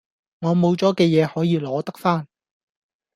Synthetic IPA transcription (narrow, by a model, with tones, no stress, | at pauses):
ŋɔː˨˧mo˨˧wt͡sɔː˨˥kɛː˧jɛː˨˧hɔː˨˥jiː˨˧lɔː˨˥t̪ɐ˥k̚faː˥n